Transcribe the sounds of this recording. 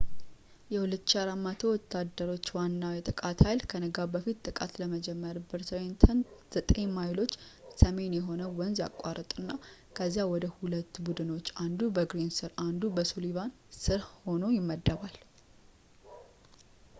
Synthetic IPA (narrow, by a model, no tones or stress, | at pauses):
jɛhulət̪ːʃaɾamːat̪ʰowɔt̪ːad̪ːəɾo̞t͡ʃːwanːawjɛt̪ʼɨkʼat̪hajlkʰənəɡabəfit̪ːtʼːɨkʼat̪ləməd͡ʒɛmːəɾbɨɾsʰwent̪ʰənz̥ət̪ʼeɲmajlo̞t͡ʃːsəme̞njɛɦo̞nəwɔnzja̰kʼaɾət̪ʼɨnːa | kʰəzːjawɔd̪əhulət̪ːbud̪ɨno̞t͡ʃːand̪ubəɡɾinsɨɾand̪ubəsuliβan | sɨɾho̞no̞jɪmːəd̪ːəβal